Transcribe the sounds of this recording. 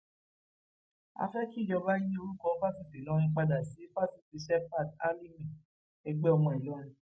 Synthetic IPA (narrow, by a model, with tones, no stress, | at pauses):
a̰˧fɛ˦ki˦˨jɔ˧ba˦i˦jĩ˦o˧ɾu˦kɔ̃˧˦ba˦si˦˨se˨lɔ̃˨˦ɾ̃ĩ˧k͡pa˧da˨si˨˦fa˦si˨ti˨˦ʃɛ˦pa˦˨da˦li˦mĩ˨ | ɛ˧ɡ͡bɛ˦ɔ˧mɔ̃˨i˨lɔ˨˦ɾ̃ĩ˧